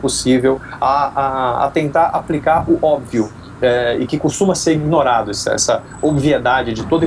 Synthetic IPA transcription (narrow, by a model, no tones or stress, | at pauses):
posivewɐaa̰t̪ẽnt̪aɾaplikaɾʊʔɔbviʊ | ɛɪkɪkost̪ũmɐseɾiɡnoɾad̪ʊɛsɛ̰sɐ | obvied̪ad͡ʒɪd͡ʒɪt̪od̪ɐ